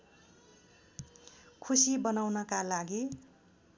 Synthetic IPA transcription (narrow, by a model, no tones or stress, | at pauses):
kʰusibʌnawnʌkalaɡi